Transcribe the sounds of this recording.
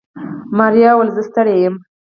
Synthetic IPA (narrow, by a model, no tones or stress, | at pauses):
maɾjɑwəlzəst̪əɽejəm